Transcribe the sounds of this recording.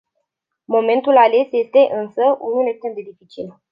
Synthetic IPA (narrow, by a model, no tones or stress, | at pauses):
mo̞mẽ̞nt̪ulale̞sje̞st̪e̞ʔɨnsəʔunulekst̪emd̪e̞d̪ifit͡ʃil